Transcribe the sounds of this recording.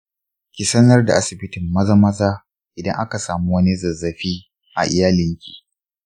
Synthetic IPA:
kʲiː˨sɐ˦nɐ˦rda̰˨ʔa˦sɪ˨bɪ˦tɪ˨mːɐ˦zɐ˦mɐ˦zaː˦ | ʔɪ˨dɐ˦ŋʔa˦ka˨saː˨mu˦wɐ˦ni˦zɐ˨zːɐ˨ɸiː˦ | ʔa̰˨ʔɪ̰˨jaː˦lɪ˦ŋkʲi̥ː˨

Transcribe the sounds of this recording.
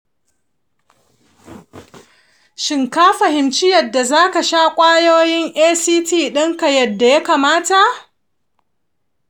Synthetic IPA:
ʃɪ˨ŋkaː˦ɸɐ˨hɪ˨mt͡ʃɪ˦jɐ˨dːa˨zaː˦ka˨ʃaː˦kʷʼaː˦joː˦jɪ˦ŋʔeː˦siː˦tiː˦˨ɗɪ˦ŋka˨jɐ˨dːa˨ja˦kaː˨maː˦ta˨ʔ

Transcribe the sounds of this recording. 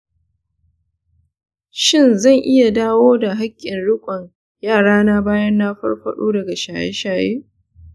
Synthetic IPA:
ʃɪ˦˨nzɐ˦˨ŋʔɪ˦ja˨daː˦woː˦da˨ɦa˦kʲʼːɪ˨nɽʊ˦kʷʼɔ˨ɲ | jaː˦˨ɽaː˦naː˦baː˦jɐ˦nːaː˦ɸɐ̰˦rɸɐ̰˦ɗo̰ː˦dɐ˨ɡa˨ʃaː˨jḛ˦ʃaː˨jeː˦

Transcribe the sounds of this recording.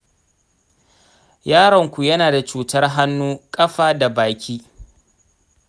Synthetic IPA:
jaː˦ɽɔ˨ŋkʷu˨jɐ˦naː˨da˨t͡ʃuː˨tɐ˦rɦa˦nːuː˦kʼɐ˦ɸaː˦da˨baː˨kʲiː˦

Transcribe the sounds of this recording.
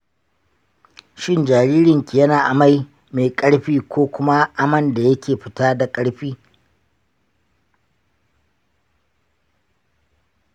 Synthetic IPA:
ʃɪ˦nd͡ʒaː˨ɾiː˦ɾɪ˨ŋkʲi˨jɐ˦naː˨ʔa˨ma˦j | meː˨kʼɐ˦ɽɸiː˦kʷoː˦kʷʊ˦ma˦ʔa˦mɐ˦nda˨jɐ˦kʲeː˨ɸɪ̥˦taː˦da˨kʼɐ˦ɽɸiː˦

